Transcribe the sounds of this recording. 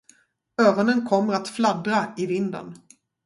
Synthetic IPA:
œːɾɔnənkʰɔmːəɾat̪fland̪ɾaɪvɪnd̪ə̰n

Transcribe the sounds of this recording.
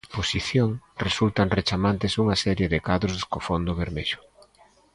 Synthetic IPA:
posiθjoŋresult̪aŋret͡ʃamant̪ɪsuŋasɛɾjeðɪkaðɾozskofond̪ʊβeɾmeʎʊ

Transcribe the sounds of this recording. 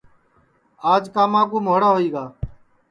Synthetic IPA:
aːd͡ʒkaːmãːk̬uːmoːɽaːɦoːiːɡaː

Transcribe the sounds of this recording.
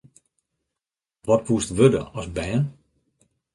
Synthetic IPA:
ʋɔt̚pʰustʋødə̰ɔsbɛːən

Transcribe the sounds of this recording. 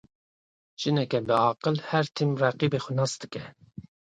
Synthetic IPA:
ʒ̥ɨnɛkʲɛbəɑːqəlhɛɾt̪ʰimræqibexunɑsd̪ɨkʲʰɛ

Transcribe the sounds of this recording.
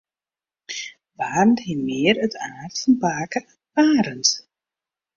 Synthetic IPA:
ʋaːrənthimɪərətʰaːrtfɔnpaːkə | aːɾənt

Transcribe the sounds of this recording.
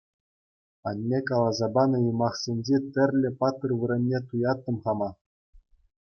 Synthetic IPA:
ɑ̰nʲːekɑlˠɑzɑbɑnɤ̆jɤmɑχsʲenʲd͡ʑet̪ʲɘ̆rʲlʲɘ̆pɑt̪ːɤ̆rʋɯ̆ɾʲɤ̆nʲːet̪ujɑt̪ːɤ̆mχɑmɑ

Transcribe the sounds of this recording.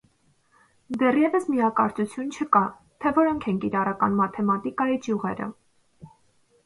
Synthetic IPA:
d̪ɛrjɛvəsmijɑkɑɾt͡sut͡sʰjunt͡ʃʰəkɑ | t̪ʰɛvɔɾɔŋkʰɛnkiɾɑrɑkɑ̰nmɑt̪ʰɛmɑt̪ikɑid͡ʒjuʁɛɾə̰

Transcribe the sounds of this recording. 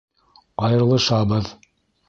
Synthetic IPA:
ɑjɤ̆ɾlˠɤʃɑbɤð

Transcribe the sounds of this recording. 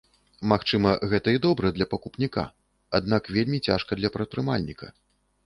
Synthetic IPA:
maxt͡ʂɨmɐɣɛt̪ɐid̪ɔbɾɐd̪lʲɐpɐkupnʲika̰ | ad̪̚nakvʲelʲmʲit͡sʲa̰ʂkɐd̪lʲɐpɾɐt̪̚pɾɨma̰lʲnʲikɐ̰

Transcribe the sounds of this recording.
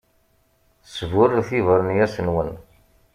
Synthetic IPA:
svʊrθivəɾənjæsənwən

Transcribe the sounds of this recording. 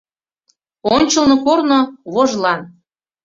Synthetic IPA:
onʲt͡ɕəlˠnokornoβoʒlɑn

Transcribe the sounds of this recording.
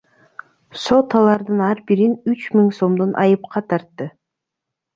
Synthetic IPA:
so̞t̪ɑlˠɑɾd̪ɯnɑɾbiɾinyt͡ʃmiŋso̞md̪onʔɑ̰jɯpqɑt̪ʰɑɾt̪ːɯ

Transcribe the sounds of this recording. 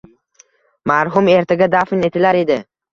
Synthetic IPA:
maɾɦʊme̞ɾt̪ʰaɡʲad̪afɪne̞t̪ʰɪlaɾe̞d̪ɪ

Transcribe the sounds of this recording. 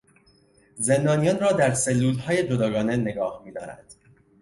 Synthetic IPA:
ze̞nd̪ɒːnijɒːnrɒːd̪æɾse̞lːuːlhɒːje̞d͡ʒod̪ɒːɡɒːne̞ne̞ɡɒːhmiːd̪ɒːɾæ̰nd̪̥

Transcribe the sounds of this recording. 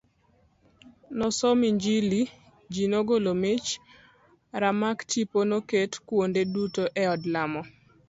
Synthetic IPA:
nɔsɔmiɲd͡ʒili | d͡ʒinoɡolomet͡ʃ | ɾamaktiponoketkwondedutoʔɛɔdlamɔ

